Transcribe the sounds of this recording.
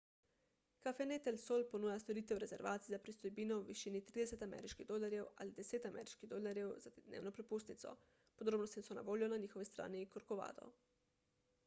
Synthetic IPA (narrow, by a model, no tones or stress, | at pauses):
kafenet̪ɛlsolponuːjast̪oɾiːt̪ɛwɾɛzɛ̰ɾʋaːt̪sizapɾist̪ɔjbiːnɔʋiʃiːnit̪ɾiːd̪ɛsɛt̪amɛ̰ɾiʃkiɣd̪oːlaɾjɛwa̰lid̪ɛseːt̪amɛ̰ɾiʃkiɣd̪oːlaɾjɛwzad̪nḛːwnɔpɾɛpust̪nit̪sɔ̰ | pod̪ɾoːbnɔst̪nisɔna̰ʋoːljɔnaniːxɔʋist̪ɾa̰ːnikɔɾkɔʋa̰ːd̪ɔ̰